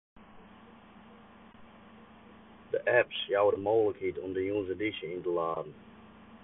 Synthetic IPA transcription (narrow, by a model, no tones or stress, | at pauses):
dəʔɛpsjawədəmoːləkhitɔmdəjunzədiʃəintəlaːdn̩